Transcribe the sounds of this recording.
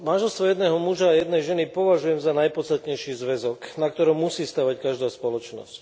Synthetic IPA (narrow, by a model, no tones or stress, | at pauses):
manʒɛlst̪ʋɔjɛd̪nɛːɦɔmuʒaːjɛd̪nɛjʒɛnipɔʋaʒujɛmzanajpɔt̪st̪at̪ɲɛjʃiːzʋɛzɔknak̚t̪ɔɾɔmːusiːst̪aːʋackaʒd̪aːspɔlɔt͡ʃnɔ̰sc